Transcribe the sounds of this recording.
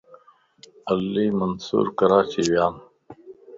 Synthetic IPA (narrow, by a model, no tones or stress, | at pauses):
ɐlːiːmɐnsṵːɾkɐɾaːt͡ɕiwjaːn